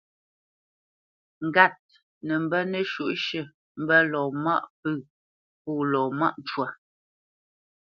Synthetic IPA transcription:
ŋ̩˨ɡa˦˨t̚ | nə˨m̩˨bɛ˦nə˦ʃu˦˨ʔʃə˨ | m̩˦bɛ˦lɔː˨ma̰˦ʔpə˦˨ | pɔː˦˨lɔː˨ma̰˦ʔn˨t͡ʃwa˨

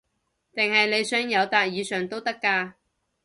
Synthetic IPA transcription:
t̪ɪ˨ŋhɐ˨jle˨˧jsœː˥ŋjɐ˨˧wt̪aː˧t̚jiː˨˧sœː˨˩ŋt̪o˥wt̪ɐ˥kːaː˧

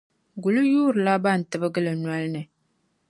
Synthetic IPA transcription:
ɡu˨lu˦juː˦ɾla˦ba˦˨n̩˨tɨ˨bə˦ɡə˦lə˨nwa˦lnɨ˨

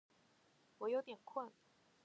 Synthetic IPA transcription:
wɔ˧˥jo˧ʊt̪jɛ˨˩nkʰwə˥˩n

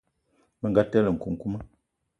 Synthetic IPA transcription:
mə˦ŋ˨ɡa˦tɛ˦lə˨ŋ̩˨ku˨ŋ̩˨ku˦mə˦

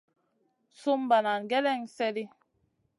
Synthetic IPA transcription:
su˦mba˨na˨nɡɛ˦lɛ˦ŋsɛ˦li˦

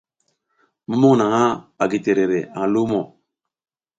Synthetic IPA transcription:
mu˦mo˦˨na˨ŋa˦a˨ɡi˨te˨ɾe˨ɾe˨a˨ŋ˨lu˦mo˨

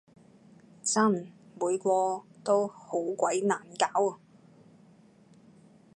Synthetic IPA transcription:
t͡sɐ˥˩nmuː˨˧jkʷɔː˧t̪o˥who˨˥wkʷɐ˨˥jnaː˨˩nkaː˨˥wɐ˨

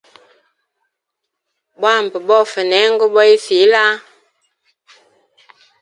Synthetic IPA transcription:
ɓa˦˨m̩˨pə˨bɔ˦˨fə˨nɛ˨˦ŋ̩˦ɡə˦ɓɔ˦i˦fi˨˦la˦

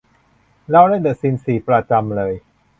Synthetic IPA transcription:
lɛː˦˥˩wɾa˥˩ndɤ˨˩si˧nsiː˨˩pɾa˧t͡ɕa˧mlɤː˧j

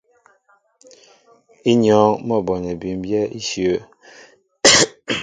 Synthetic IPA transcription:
i˦ɲɔ˨˦ŋmɔ˦˨bɔ˨ɲɛ˨bi˨m˦bjɛ˦ʔi˦ʃjo˦

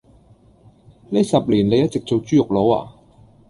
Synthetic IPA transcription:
ne˥jsɐ˨p̚liː˨˩nle˨˧jɐ˥t̚t͡sɪ˨k̚t͡so˨wt͡ʃyː˥jʊ˨k̚lo˨˧wa̰ː˨˩

